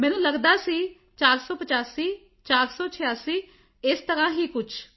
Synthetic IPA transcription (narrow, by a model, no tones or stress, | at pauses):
mɛːnũːləɡd̪aːsiː | t͡ʃaːɾsɔːpət͡ʃaːsiː | t͡ʃaːɾsɔːt͡ʃʰɪjaːsiː | ɪst̪əɾãːɦiːkʊt͡ʃʰ